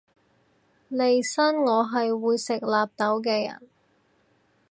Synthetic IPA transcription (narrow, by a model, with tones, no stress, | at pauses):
le˨jsɐ˥nŋɔː˨˧ɦɐ˨jwuː˨˧jsɪ˨k̚laː˨p̚t̪ɐ˨˥wk̬ɛː˧jɐ̰˨˩n